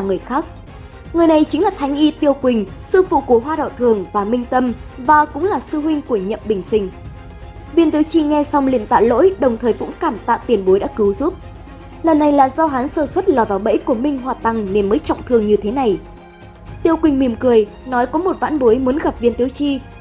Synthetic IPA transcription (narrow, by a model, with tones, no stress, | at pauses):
vaː˨˩ŋɨ˨˩əjxaː˦˥k̚ | ŋɨ˨˩əjna˨˩jt͡ɕï˨˦ŋlaː˨˩t̪ʰa˨˦jŋ̟ʔi˧t̪i˧əwkwï˨˩ŋ̟sɨ˧fṵ˧˨ku˧˩ɦwaː˧ɗə̰˧˨wt̪ʰɨ˨˩əŋvaː˨˩mï˧ŋ̟t̪ə˧mvaː˨˩kʊ̰˧˥ŋ͡mlaː˨˩sɨ˧ɦwï˧ŋ̟ku˧˩əɲə̰˧˨mɓï˨˩ŋ̟sï˧ŋ̟ | vi˧nt̪i˨˦wt͡ɕi˧ŋɛ˧sa˧wŋ͡mlḭ˧˨ənt̪a̰ː˧˨lo̰˧˥jɗə˨˩wŋ͡mt̪ʰəː˨˩jkʊ̰˧˥ŋ͡mkaː˧˩mt̪a̰ː˧˨wt̪i˨˩ənɓo˨˦jɗa̰ː˧˥kɨ˨˦wzu˦˥p̚ | lə˨˩nːa˨˩jlaː˨˩zɔ˧ɦaː˨˦nsəː˧˩swə˦˥t̚lɔ˨˩vaː˨˩wɓə̰˧˥jku˧˩əmï˧˩ŋ̟ɦwaː˨˩t̪a˨˩ŋne˧nməː˨˦jt͡ɕɔ̰˧˨wŋ͡mt̪ʰɨ˨˩əŋɲɨ˧t̪ʰe˨˦na˨˩j | t̪i˧˩əwkwï˨˩ŋ̟mi˨˩əmkɨ˨˩əj | nɔ˨˦jkɔ˨˦mo˨˩t̚va̰ː˧˥nɓo˨˦jmu˨˦nɣa˨˩p̚vi˧ənt̪i˨˦əwt͡ɕi˧